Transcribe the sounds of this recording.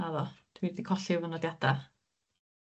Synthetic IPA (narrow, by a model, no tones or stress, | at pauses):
aðɔd̥wiːdikʰɔɬɪwvənɔdjad̥a